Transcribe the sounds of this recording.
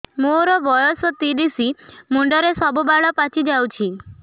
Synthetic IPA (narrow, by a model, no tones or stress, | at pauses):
moɾɔbɔjɔsɔt̪iɖisimuɳɖɔɾesɔbʱubaɭɔpat͡ʃid͡ʒawt͡ʃʰi